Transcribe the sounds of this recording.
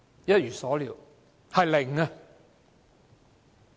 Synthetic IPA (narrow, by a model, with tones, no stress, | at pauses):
jɐ˥t̚jyː˨˩sɔː˨˥liː˨˥w | hɐ˨jlɪ˨˩ŋɐ˧